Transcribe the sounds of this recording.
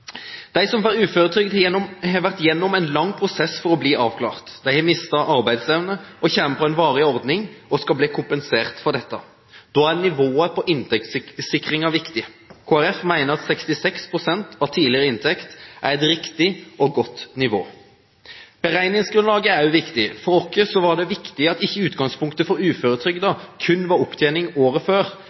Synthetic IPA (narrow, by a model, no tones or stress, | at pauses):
d̪̥æɪsɔmʋɑʁʉːføːɾʁət̪ʰʏːɡd̪hɛʋæʁt̪jɛnːʊmæɪnlɑŋːpʰʁʊsɛsfɔɾɔbliːʔɑːʋkʰlɑ̰ːʁt̪d̪̥æɪɛmɪst̪əʔɑʁbæɪd̪sɛʋnəʔɔçɛməfɔɛɪnʋɑːʁɪɔʁd̪nɪŋɔskɑbliːkʰʊmpənseːʁt̪fɔʁd̪ɛt̪ːɑ | d̪̥oːæʁnɪʋoːəpʰɔʔɪnt̪ʰɛkt̪sɪkːʁɪŋɑʋɪkt̪ɪkʰoːæɾɛfmæɪnəɾɑt̪sɛkst̪ɪsɛkspʰʁʊsɛnt̪ɑʋt̪ʰiːlɪɾəɪnt̪ʰɛkt̪ʔæ̰ɾɛt̪ɾɪkt̪ɪʔɔɡɔt̪ːnɪʋo̰ː | b̥əɾæɪnɪŋsɡɾʉnlɑːɡəæɾjʊʋɪkt̪ɪfɔɾɔkːəsɔʋɑd̪ɛʋɪkt̪ɪɑt̪ɪçːəʉːt̪ɡɑŋspʰʊŋkt̪əfɔɾʉːføːɾət̪ʰɾʏɡd̪əkʰʉnːʋɑɾʊpt̪ʰjeːnɪŋoːɾəføːɾ